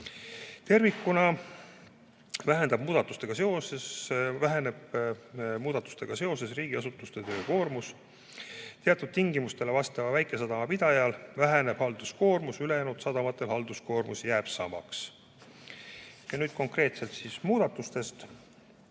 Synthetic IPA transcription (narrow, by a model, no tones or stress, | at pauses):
t̪e̞rvikːˑunɑ | væɦe̞nd̪ɑb̥muːd̪̥ɑt̪ːˑust̪e̞ɡ̥ɑse̞o̞sesvæɦene̞b̥ | muːd̪ɑt̪ːˑu̥st̪e̞ɡ̥ɑse̞o̞se̞sriːɡ̥iɑsut̪ːˑust̪e̞t̪ø̞ːko̞ːrmus | t̪eɑt̪ːˑud̪̥̚t̪iŋɡimust̪e̞le̞vɑst̪ɑvɑvæjkˑe̞sɑd̪̥ɑmɑpid̪ɑjɑlvæɦene̞b̥hɑld̪usko̞ːrmusylejænut̪sɑd̪ɑmɑt̪ːˑe̞lhɑld̪̥usko̞ːrmusjæːb̥sɑ̰mɑ̰ks | jɑnyːd̪̥ko̞ŋkre̞ːt̪se̞lt̪sismuːd̪̥ɑt̪ːˑust̪e̞st̪